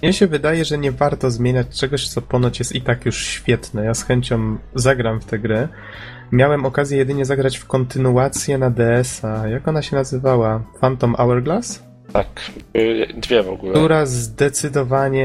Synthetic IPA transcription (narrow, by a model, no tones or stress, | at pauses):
mɲɛɕɛvɘd̪ajɛʐɛɲɛvaɾt̪ɔzmʲjeɲat͡ɕt͡ʂɛɡɔɕt̪sɔpɔnɔt͡ɕjɛst̪it̪akjuʂɕfʲjɛt̪nɛjasxɛɲt͡ɕɔmzaɡɾamft̪ɛɡɾɘ | mʲjawɛmɔkazʲjɛjɛd̪ɘɲɛzaɡɾat͡ɕfkɔnt̪ɘnuat̪sʲjɛnad̪ɛɛsajakɔnaɕɛnazɘvawafant̪ɔmʔawɛɾɡlas | t̪ak | d̪vʲjɛvɔ̰ɡuluɾazd̪ɛt̪sɘd̪ɔvaɲɛ